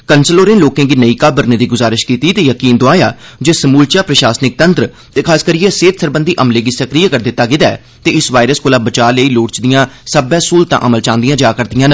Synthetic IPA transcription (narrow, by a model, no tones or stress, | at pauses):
kənsəloːɾẽːloːkẽːɡiːnəiːkaːbəɾneːd̪iːɡʊzaːɾɪʃkiːt̪iːt̪eːjəkiːnd̪oaːja̰ːd͡ʒeːsəmuːlt͡ʃaːpɾəʃaːsnɪk̚t̪ənt̪ɾə | t̪eːkʰaːskəɾiːẽːseːt̪səɾbənd̪iːʔəmleːɡiːsəkɾijakəɾd̪ɪt̪ːaːɡɪd̪aɛ̰ː | t̪eːɪsʋaːɪɾəskoːlaːbət͡ʃaːləiːloːʈt͡ʃd̪ɪjãːsəbɛ̃ːsuːlt̪ã̰ʔəməlt͡ʃãːnd̪ijãːd͡ʒaːkəɾd̪ɪjãːn